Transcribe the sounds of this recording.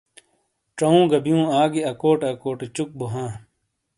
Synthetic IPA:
ʈ͡ʂɐũːɡɐbijũːaːɡiɐkoːʈɐkoːʈet͡ɕuk̚boɦãː

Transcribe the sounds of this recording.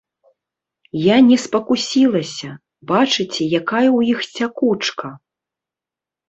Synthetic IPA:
janʲɛspɐkusʲilˠɐsʲɐ | bat͡ʂɨt͡sʲɛjakajɐwjixt͡sʲakut͡ʂkɐ

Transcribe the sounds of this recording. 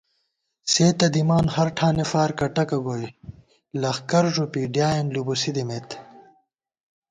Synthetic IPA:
seːt̪ɐd̪imaːnhɐɾʈʰaːnefaːɾkɐʈɐkɐɡoːi | lɐxkɐɾʐupiːɖjaːjenlubusid̪imeːt̪

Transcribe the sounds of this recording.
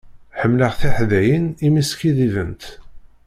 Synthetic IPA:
ħəmːləʁθiħðæjənimiskiðivənt̪

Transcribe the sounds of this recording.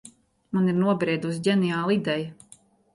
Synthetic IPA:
maniɾnuɔbɾiɛd̪us̬ɟʲɛnijaːlˠid̪ɛjɐ

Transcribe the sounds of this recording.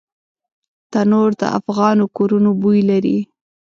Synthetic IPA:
t̪anoɾd̪ə̰ʔa̰fɣɑnokoɾunobujlaɾi

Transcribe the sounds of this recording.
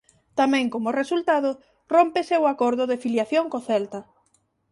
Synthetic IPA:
t̪amɛ̃ŋkomʊresult̪aðʊ | rompesewakoɾðʊðɪfiljaθjoŋkoθɛlt̪ɐ

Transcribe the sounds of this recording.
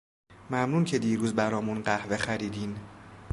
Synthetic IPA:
mæmnuːncʰe̞d̪iːɾuːzbæɾɒːmunɢæhve̞xæɾiːd̪iːn

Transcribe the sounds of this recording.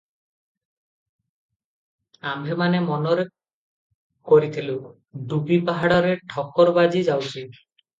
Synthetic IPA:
ambʱemanemɔnɔɾe | koɾit̪ʰilu | ɖubipaɦaɽɔɾeʈʰɔkɔɾbad͡ʒid͡ʒawt͡ʃʰi

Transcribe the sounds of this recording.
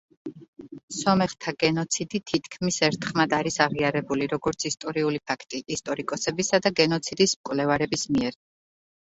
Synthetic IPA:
sɔmɛχt̪ʰaɡ̥ɛnɔt̪sʰid̪it̪ʰit̪ʰkʰmisɛɾt̪ʰχmad̪aɾisaʁiaɾɛbuliɾɔɡɔɾt̪sʰist̪ʼɔɾiulipʰakʰt̪ʼiʔist̪ʼɔɾikʼɔsɛbisad̪aɡɛnɔt̪sʰid̪ismkʼwlɛvaɾɛbismiɛɾ

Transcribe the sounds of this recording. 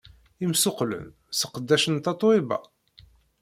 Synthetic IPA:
imsʊqlə̰n | sə̥qəd̪ːæʃənt̪ɑt̪ˤwibæ̰

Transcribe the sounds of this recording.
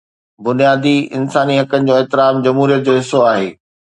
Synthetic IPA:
bʊnijaːd̪iɪ̰nsaːniɦɐkənɪ̆d͡ʑoːɛːt̪ɪɾaːmd͡ʑɐmɦuːɾijət̪̚d͡ʑoːɦɪsoaːɦḛː

